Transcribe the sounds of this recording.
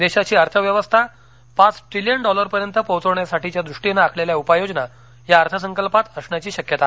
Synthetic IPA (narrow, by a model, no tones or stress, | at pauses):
d̪eɕat͡ɕiːəɾt̪ʰəʋjəʋəst̪ʰa | pat͡sʈɾilijəɳɖɔləɾpəɾjənt̪əpəwt͡səʋɳjasaʈit͡ɕjad̪ɾuʂʈinaːkʰleljaupajod͡ʑna | jaəɾt̪ʰəs̬əŋkəlpat̪əsɳjat͡ɕiːɕəkjət̪a